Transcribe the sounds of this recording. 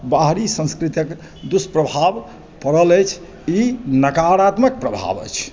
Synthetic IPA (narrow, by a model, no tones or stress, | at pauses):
baɦɾisə̃nskɾit̪jək | d̪uspɾəbʱab | pəɾələjt͡ʃʰ | inəkaɾat̪mək̚pɾəbʱa̰bə̰jt͡ʃʰ